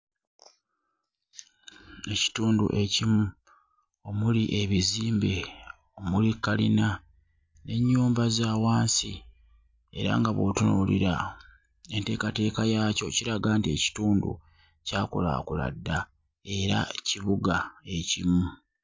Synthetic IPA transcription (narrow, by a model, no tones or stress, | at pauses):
e̞ci̥tuːndṵʔe̞cimu | o̞muliʔe̞βiziːmbe̞ | o̞mulikːalḭna | ne̞ɲːuːmbazaːwaːnsi | e̞ɾa̰ŋɡaβo̰tunṵlḭɾa | e̞nte̞ːkate̞ːkajaːco̞ciɾaɡaːntie̞ci̥tuːndṵ | caːkula̰kula̰dːa | e̞ɾa̰ciβuɡae̞cimu